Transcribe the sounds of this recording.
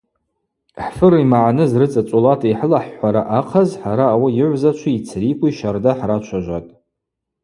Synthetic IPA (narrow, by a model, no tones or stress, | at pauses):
ħfɨrimaʕanɨzrɨt͡sʼat͡ʃʷʼolatʰejħəlaħːʷaɾaʔaqʰazħaɾaːwajɪʕʷzat͡ʃʷʰiit͡sʰrikʷʼiʃardaħrat͡ʃʷʰaʒʷa̰tʼ